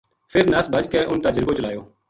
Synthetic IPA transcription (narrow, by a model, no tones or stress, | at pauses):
pʰɪɾnəsbʱəd͡ʒkeːʔʊnt̪aːd͡ʒəɾɡoːt͡ʃəlaːjoː